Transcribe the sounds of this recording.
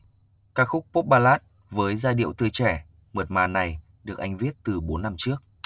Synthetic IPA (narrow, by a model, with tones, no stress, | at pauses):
kaː˦˥k̚xʊ˦˥k͡p̚po˦˥p̚ɓaː˧laː˦˥t̚ | vəː˨˦jzaː˧ɗḭ˧˨əwt̪ɨ˧˩t͡ɕɛ˧˩ | mə˨˩t̚maː˨˩na˨˩j | ɗɨ˨˩ək̚ʔa˧jŋ̟vi˦˥ət̚t̪ɨ˨˩ɓo˨˦nːa˧mt͡ɕɨ˦˥ək̚